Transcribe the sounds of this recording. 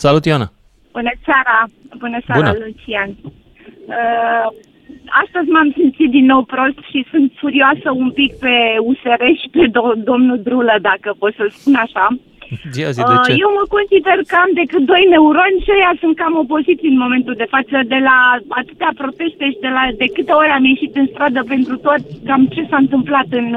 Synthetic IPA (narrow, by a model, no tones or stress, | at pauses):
salut̪joana | b̥unəseaɾabunəseaɾaalut͡ʃian | ə | ast̪əzʲmamsimt̪sit̪̚d̪inːo̞wpɾo̞st̪ʃisunt̪fuɾiasəumpikpe̞useɾe̞ʃi̥ped̪o̞mnud̪ɾuləd̪akəpo̞t̪səspunaʃa | əje̞wməko̞nsid̪e̞rkəamd̪e̞kɨt̪̚d̪o̞jne̞uɾo̞nʲʃajasunt̪̚kamo̞po̞zit̪sijɨnmo̞me̞nt̪uld̪e̞fat̪səd̪e̞laat̪ɨt̪eapɾo̞t̪e̞st̪e̞ʃid̪e̞lad̪e̞kɨt̪e̞oɾeamje̞ʃit̪ɨnst̪ɾad̪əpe̞nt̪ɾut̪o̞t̪kamt͡ʃe̞saɨnt̪ɨmplat̪ɨn